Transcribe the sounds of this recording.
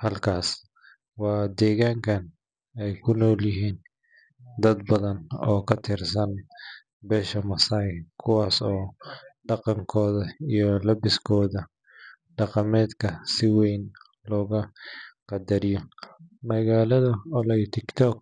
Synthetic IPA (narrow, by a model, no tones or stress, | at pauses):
hɐlkʰaːs | wɑːd̪ɛːɣaːŋkʰɐn | ɛjkʰʊnɔːljɪɦiːn | d̪ɐd̪bɐðɐnɔːkʰɐt̪ʰɪrsɐn | bɛːʃɐmɐsaːjkʰʊwɑːsɔːɖɑqɑŋkʰɔːðɐijɔlɐbɪskʰɔːðɐ | ɖɑqɑmɛːd̪kʰɐsɪwejn | lɔːɣɐqɑd̪ɐɾɪjɔmɐɣaːlɐðɐɔlɛjt̪ʰɪkt̪ʰɔk̚